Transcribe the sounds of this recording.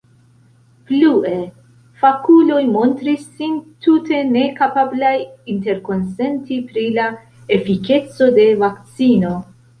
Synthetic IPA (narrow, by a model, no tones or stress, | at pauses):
plue̞ | fakulo̞jmo̞ntɾisːintute̞ne̞kapablajinte̞ɾko̞nse̞ntipɾila | efike̞t͡so̞de̞vakt͡sino̞